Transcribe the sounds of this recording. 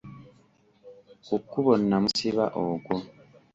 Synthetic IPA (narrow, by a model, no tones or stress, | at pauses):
okːuβonːamusiβa̰ʔokwo